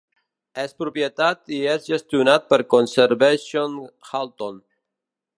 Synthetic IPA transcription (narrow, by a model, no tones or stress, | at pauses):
ɛspɾupjet̪at̪iɛsʒest̪iunat̪̚peɾkonseɾβesjonxalt̪on